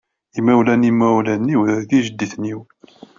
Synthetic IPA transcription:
imæwlænimæwlænːiwɾəðɡiʒəd̪ːiθniw

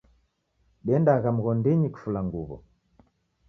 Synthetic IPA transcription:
ɗɛndaɣam̩ɣɔndiɲiku̥fulaŋɡuβɔ̰

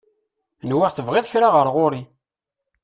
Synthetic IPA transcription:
nwɪʁθəvʁeðˤçɾaʁəɾʁʊɾi

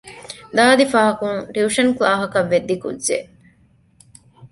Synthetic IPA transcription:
d̪aːd̪ifaːɦɐkuŋɾiuʂɐnklaːɦɐkɐʋːed̪ːikṵdzḛ

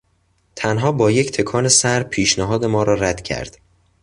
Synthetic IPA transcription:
t̪ʰænɦɒːbɒːje̞ct̪ʰe̞kʰɒːne̞sæɾpʰiːʃnæɦɒːd̪e̞mɒːɾɒːɾæd̪̥cʰæ̰ɾd̪̥

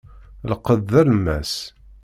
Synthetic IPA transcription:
ləqəðːæləmːæ̰s

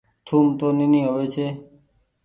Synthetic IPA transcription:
t̪ʰuːmt̪oːnɪnĩːɦəʋeːt͡ʃʰeː

